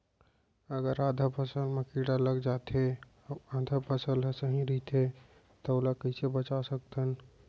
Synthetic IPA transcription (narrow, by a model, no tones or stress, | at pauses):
əɡəɾad̪ʱapʰəsəlmekiɽaləɡd͡ʒat̪e | ãd̪ʱapʰəsəlɦsəɦĩɾəɦt̪ʰe | t̪ɔolakəisebət͡ʃasək̚t̪ən